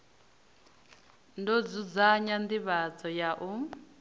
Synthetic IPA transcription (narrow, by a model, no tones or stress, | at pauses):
ndɔd͡zud͡zaɲand̪iβat͡sɔjaʔu